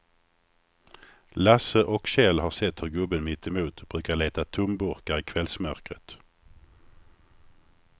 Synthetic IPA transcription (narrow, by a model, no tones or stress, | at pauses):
lasəʔɔkɕɛlhaɾsɛt̪ːhɵɾɡɵbənmɪt̪ːɛmuːt̪b̥ɾʉ̟ːkaɭeːt̪at̪ʰʊmbɵɾkaɾɪkʰvɛlsmœɾkɾət̪